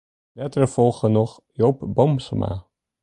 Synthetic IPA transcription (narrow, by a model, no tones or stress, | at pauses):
lɛtərəfɔlˠχənɔχ | jowpbɔmsɔ̰ma̰ː